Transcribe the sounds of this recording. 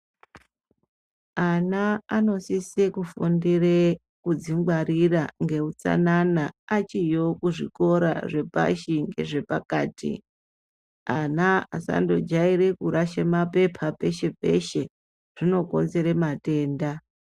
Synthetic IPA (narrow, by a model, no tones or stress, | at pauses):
anaano̞sisekufundire | kud͡ziŋɡwaɾiraŋɡe̞ut͡sa̰nanaːt͡ʃijo̞kuʐiko̞ɾa̰ʐe̞pa̰ʃiŋɡe̞̰ʐe̞pakaːtḭ | anaasa̰ndo̞d͡ʒaiɾe̞kuɾaʃemape̞pʰape̞ʃe̞pe̞ʃe̞ | ʐ̥ino̞ko̞̰nze̞ɾemate̞ːnda